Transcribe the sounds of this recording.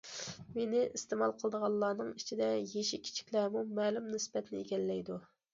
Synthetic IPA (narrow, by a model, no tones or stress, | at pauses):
menɪʔist̪emɑlˠqʰəlˠəd̪əʁɑlˠlˠːɑːnɨŋit͡ʃʰid̪ɛjeʃikʲʰi̥t͡ʃʰi̥kʲlæɾmumɛːlumnɪsbɛt̪ʰɪnɪeɡʲɛlːɛjd̪u